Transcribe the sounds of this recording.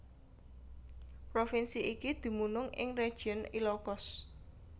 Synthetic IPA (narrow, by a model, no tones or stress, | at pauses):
pɾofinsiʔikid̪̥i̤munʊŋɪ̰ŋre̥ʒ̥ənilɔkɔs